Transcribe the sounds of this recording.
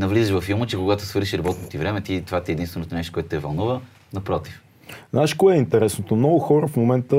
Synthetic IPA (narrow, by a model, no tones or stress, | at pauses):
nɐvlizɛʃvɐfilˠmət͡ʃɛkoɡat̪o̥svɤɾʃiɾɐbɔt̪not̪ivɾɛmɛt̪it̪ovat̪iɛd̪inst̪vɛnot̪onɛʃt̪okɔɛt̪ʊt̪ɛvɐlˠnuvə | nɐpɾɔt̪if | znaɛʃkoɛint̪ɛɾɛsnot̪omnɔɡʊxɔɾəfmomɛnt̪ə